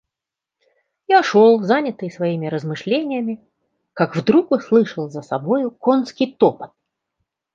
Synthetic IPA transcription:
jaʂolˠzanʲɪt̪ɨjsvɐimʲɪɾəzmɨʂlʲenʲɪjəmʲɪ | kakvd̪ɾukʊslˠɨʂəlˠzəsɐbo̞jʊkonskʲɪjt̪opə̥t̪̚

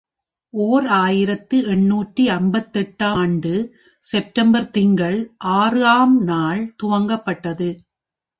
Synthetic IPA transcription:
ʔoːɾaːjɪɾɐt̪ːɯɛɳːuːʈriɐnbɐt̪ːɛʈːaːɳɖɯ | sɛp̚ʈɐmbɐɾt̪ɪŋɡɐɭʔaːrɯaːmnaːɭt̪ʊʋɐŋɡɐpːɐʈːɐðɯ

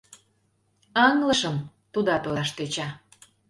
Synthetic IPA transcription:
ɑŋləʃəm | t̪ud̪ɑt̪ojɑʃt̪et͡ɕɑ

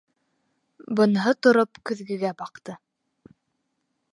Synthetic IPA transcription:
bɤ̆nɦɤt̪ŏɾopkɵ̆ðɡɘ̆ɡæbɑqt̪ɤ

